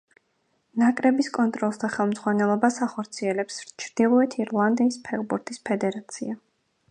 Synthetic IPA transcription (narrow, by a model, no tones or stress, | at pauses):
nakʼɾɛbiskʼɔnt̪ʼɾɔlˠsd̪aχɛlˠmd̪zʁwanɛlˠɔbasaχɔɾt̪sʰiɛlɛpst͡ʃʰɾd̪̥ilˠɔɛt̪ʰiɾlˠand̪iːspʰɛʁbuɾt̪ʰʼispʰɛd̪ɛɾat̪sʰḭa